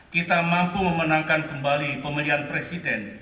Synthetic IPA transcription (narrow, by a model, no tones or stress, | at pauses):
kit̪amampuməmənaŋkankəmbalipəmiliɦanpɾesidɛn